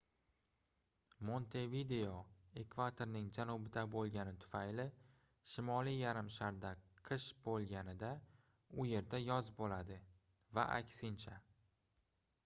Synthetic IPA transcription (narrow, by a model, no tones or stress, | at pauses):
mo̞nt̪ʰe̞vid̪e̞oe̞kvat̪ʰoɾnɪŋd͡ʒanɒbɪd̪abolˠɡʲanɪt̪ʰʊ̥fajlɪ | ʃɪmɒlijaɾɪmʃaɾd̪aqʰɨʃbolˠɡʲanɪd̪a | ʊje̞ɾd̪ajɒzbolad̪ɪ | va̰ʔa̰kʲsɪnt͡ʃʰa